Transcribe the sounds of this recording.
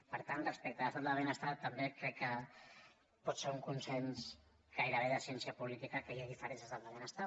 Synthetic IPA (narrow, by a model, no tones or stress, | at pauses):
pəɾt̪anrəspɛk̚t̪aəst̪at̪laβenəst̪at̪ːambekɾɛkːə | pɔt̪seuŋkunsens | ɡ̥ajɾəβeðəsjɛnsjapulit̪ikakeɣiðifəɾenzəst̪at̪laβenəst̪at